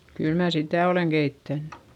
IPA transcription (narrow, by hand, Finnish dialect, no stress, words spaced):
kyl mæː sitæˑ oleˑŋ ɡ̊eitːænːẙ